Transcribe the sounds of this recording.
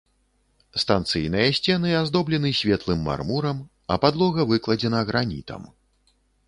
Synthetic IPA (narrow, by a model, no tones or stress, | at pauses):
st̪ant̪sɨjnɨjɐsʲt͡sʲɛnɨazd̪ɔblʲɛnɨsʲvʲɛt̪lˠɨmːa̰rmuɾɐm | ɐ̰pad̪lˠɔɣɐvɨklˠɐd͡zʲɛnɐɣɾanʲḭt̪ɐ̰m